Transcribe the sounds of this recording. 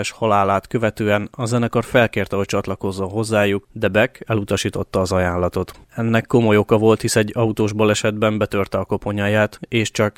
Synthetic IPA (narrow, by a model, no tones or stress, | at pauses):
ɛʃhɒlaːlaːt̪kø̞vɛt̪øːɛnɒzɛnɛkorfɛlkeːrt̪ɛho̞c̚t͡ʃɒt̪lɒko̞zːo̞nɦo̞zːaːjukd̪ɛbɛkɛlut̪ɒʃiːt̪o̞t̪ːɒːzɒjaːnlɒt̪o̞t̪ɛnːɛkːo̞mo̞jo̞kɒvo̞lt̪hisɛɟːɒut̪oːʒbolɛʃɛd̪bɛmbɛt̪ø̞rt̪ɛɒko̞po̞ɲajaːt̪eːʃt͡ʃɒk